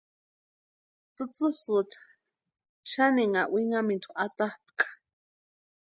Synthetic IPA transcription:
t͡sɨt͡sɨsɨt͡ʃḁ | ʃaniŋaʔwiŋamĩnt̪ʰuʔat̪ahp̚kʰḁ

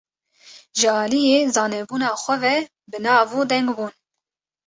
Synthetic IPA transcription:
ʒɨɑːlijeːzɑːnɛbuːnɑːxʷɛvɛ | bɨnɑːvuːd̪ɛŋɡbuːn

